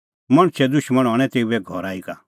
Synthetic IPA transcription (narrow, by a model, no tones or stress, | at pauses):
mɐɽ̃t͡ʃʰɛd̪ʊʃmɐɽ̃ɦɔːɽ̃ɛ̃t̪eːuɛɡʱɔɾaːika